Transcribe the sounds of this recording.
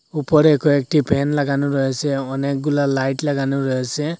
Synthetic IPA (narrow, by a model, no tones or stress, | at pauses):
upɔɹɛkɔɛk̚tipʰɛnlaɡanʊɹɔɦasɛɔnɛk̚ɡulalajtlaɡanʊɹɔɦasɛ